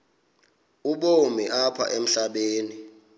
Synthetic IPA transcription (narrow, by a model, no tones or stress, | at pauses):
uɓomiʔapʰa̰ʔem̩ɬaɓeːni